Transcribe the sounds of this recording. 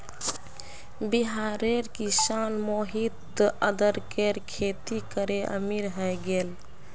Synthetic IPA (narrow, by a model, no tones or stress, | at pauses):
biɦaɾeɾkisanmoɦit̪əd̪əɾkeɾkʰet̪ikəɾeʔə̰miɾɦəjɡel